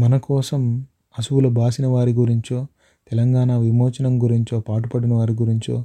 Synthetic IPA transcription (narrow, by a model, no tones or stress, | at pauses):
mɐnɐkɔːsɐm | ɐsuwulɐbʱaːsinɐʋaːɾiɡuɾiɲt͡ʃo̞ː | t̪ɛlɐŋɡaːnaːʋimɔːt͡ʃɐnɐmɡuɾiɲt͡ʃo̞ːpaːʈupɐɽinɐʋaːɾiɡuɾiɲt͡ʃoː